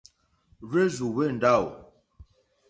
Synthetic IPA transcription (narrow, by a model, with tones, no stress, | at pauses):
ɾe˦zu˨we˦˨n̩˨da˦˨w